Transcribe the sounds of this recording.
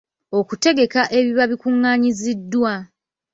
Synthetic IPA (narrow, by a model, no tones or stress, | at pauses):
o̞kute̞ɡe̞kaʔe̞βiβaβikuŋːaːɲizidːwa